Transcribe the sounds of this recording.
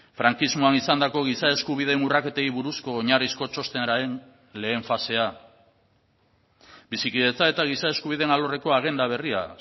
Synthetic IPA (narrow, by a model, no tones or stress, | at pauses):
fɾaŋkizmo̞anisand̪ako̞ɣ̞isae̞skuβiðe̞nurake̞t̪e̞iβuɾusko̞ːɲarisko̞t͡ʃo̞st̪een | le̞ːɱfase̞a | bisikiðe̞t͡sae̞t̪aɣ̞isae̞skuβ̞iðe̞nalo̞re̞ko̞aɣ̞e̞nd̪aβ̞e̞ria̰